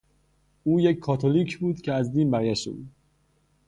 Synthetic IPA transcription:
uːjecʲʰːɒːt̪ʰoliːcʰbuːd̪cʰeæzd̪iːnbæɾjæʃt̪ḛbṵːd̪

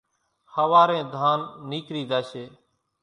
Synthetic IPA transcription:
həʋaːɾẽːd̪ʱaːnːiːkɾiːd̪aːʃeː

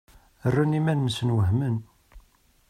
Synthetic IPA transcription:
ərːanimænməsənwəɦmən

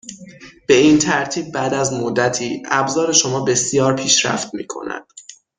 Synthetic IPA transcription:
b̥e̞iːnt̪ʰæɾt̪ʰiːb̚ːæd̪æzmod̪ːæt̪ʰiːʔæbzɒːɾe̞ʃo̞mɒːbe̞sijɒːɾpʰiːʃɾæ̰ft̪̚mḭːkʰo̞̰næ̰d̪̥

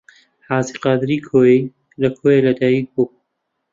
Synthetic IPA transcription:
ħaːziːqɑːd̪ɾiːkʰoːji | lɐkʰoːjelɐd̪aːjiɡ̚bo

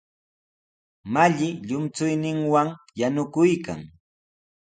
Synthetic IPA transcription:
maʎɪʎʊmt͡sʊjnɪŋwaŋ | janʊkʊjka̰ŋ

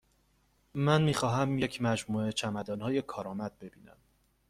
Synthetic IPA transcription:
mænmiːxɒːɦæmjecʰmæd͡ʒmuːe̞t͡ʃʰæmæd̪ɒːnhɒːje̞kʰɒːɾɒːmæd̪̚be̞biːnæ̰m

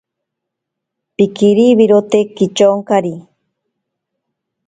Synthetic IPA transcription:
pikiɾiβiɾot̪ekit͡ʃoŋkaɾi

